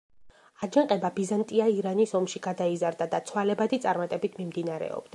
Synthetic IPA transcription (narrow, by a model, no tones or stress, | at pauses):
ad͡ʒaŋqʼɛbabizant̪ʼiaiɾanisɔmʃiɡad̪aizaɾd̪ad̪at̪sʰwalɛbad̪it̪sʼaɾmat̪ʼɛbit̪ʰmimd̪inaɾɛ̰ɔ̰b̥̚d̪a